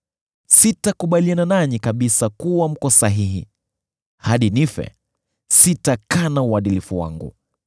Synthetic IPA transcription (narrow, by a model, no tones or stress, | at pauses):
sitakuɓaliananaɲikaɓisakuwam̩kɔsaɦiɦḭ | haɗinifɛ̰ | sitakanauaɗilifuwa̰ŋɡṵ